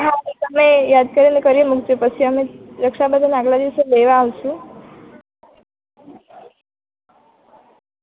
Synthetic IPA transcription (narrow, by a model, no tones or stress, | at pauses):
ɦãisəmejad̪kəɾinekəɾiemukt͡ʃepət͡ʃʰiəmeɾəkʃabəd̪ʱənaɡlad̪iʋəseleʋaːwʃũ